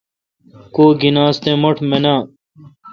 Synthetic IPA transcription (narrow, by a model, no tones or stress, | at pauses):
koːɡinaːst̪ẽːmoʈʰmenãː